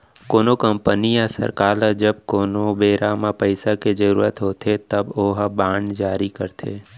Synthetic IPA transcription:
koːnokəmpənijasə̰ɾkaːld͡ʒəb̚koːnobeːɾamapəɪsaked͡ʒəɾṵːɾət̪ɦoːt̪ʰet̪əboːɦbaːɳd͡ʒaːɾikəɾt̪ʰḛː

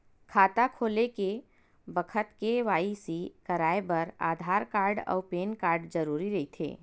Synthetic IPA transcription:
kʰaːt̪akʰoːleke | bəkʰət̪keʋaːisikɐɾaːebɐɾa̰ːd̪ʱaːɾkaːɾɖɔ̰ːʊpeːnkaːɾɖd͡ʒəɾuːɾiɾɐit̪ʰḛː

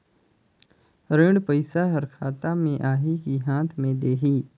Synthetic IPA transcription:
ɾẽːɽpəɪsaɦəɾkʰaːt̪amẽʔaːɦikiɦãːt̪ʰmẽd̪eːɦiː

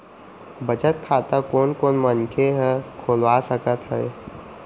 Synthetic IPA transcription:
bət͡ʃət̪̚kʰaːt̪akoːnkoːnmənkʰeɦɛkʰoːlʋasəkət̪ɦɛe

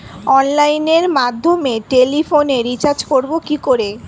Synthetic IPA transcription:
ɔnlajneɾmad̪ʱːomeʈelifʰoneɾit͡ɕaɾd͡ʑkoɾbokikoɾe

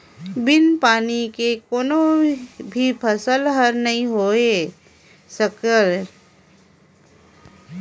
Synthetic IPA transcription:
bɪnpaːnikekoːnõbʱipʰəsəlɦəɾnɐɦĩɦoːe | səkəɾ

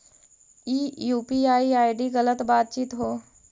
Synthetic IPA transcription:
iːjuːpiaiaiɖiːɣələt̪bat̪̚t͡ɕiːt̪ɦoː

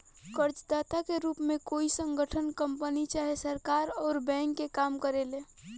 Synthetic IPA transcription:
kəɾt͡ʃd̪at̪akeɾuːpmẽkoisə̃ŋɡʱəʈʰənkəmpənit͡ʃaɦesəɾkaɾɔːɾbɛ̃ŋkːekamkəɾele

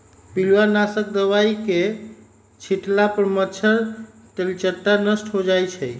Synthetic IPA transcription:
pilwanasək̚d̪əʋaike | t͡ʃʰiʈlapəɾmət͡ʃʰəɾ | t̪elt͡ʃət̪ːanəsʈɦod͡ʒajt͡ʃʰəj

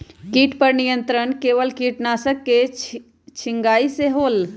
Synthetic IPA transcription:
kiːʈpəɾnijənt̪ɾənkeːʋəlkiːʈnaːsəkːe | t͡ʃʰiŋɡaːiseɦoːl

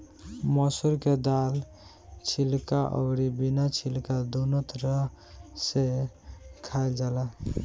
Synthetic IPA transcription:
mɔsuɾked̪al | t͡ʃʰilkaʔɔ̰ʊɾibinat͡ʃʰilkad̪onot̪ɾə | se | kʰaeld͡ʒala

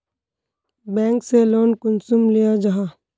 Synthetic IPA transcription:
bɛ̃ːŋkseloːnkʊnsʊmlijad͡ʒaɦaː

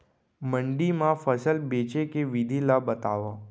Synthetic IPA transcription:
məɳɖimãfəsəlbet͡ʃekeʋid̪ʱilabət̪aʋa

